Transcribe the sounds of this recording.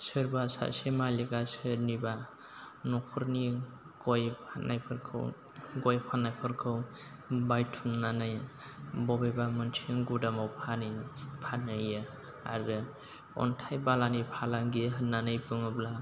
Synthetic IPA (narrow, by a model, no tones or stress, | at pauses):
sɯɾbasa̰semaliɡasɯɾniba | nɔkʰuɾni | ɡɔjʰanajpʰɯɾkʰɯ̰w | ɡɔjpʰanːajpʰɯɾkʰɯw | bajtʰumnanɯjbɔbebamɯnt͡ʃʰiŋɡudamawpʰanipʰanɯjɯ | aɾɯ | ɔ̰ntʰajbalanipʰalaŋɡiɦənanɯjpɯŋɯbla